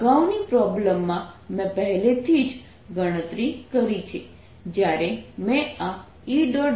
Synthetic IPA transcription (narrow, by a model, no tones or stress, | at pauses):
ɡawnipɾɔbləmːãmɛ̃pəɦɛlet̪ʰid͡ʒ | ɡəɽ̃ət̪ɾikəɾit͡ʃʰe | d͡ʒjaɾemɛ̃a | iɖɔ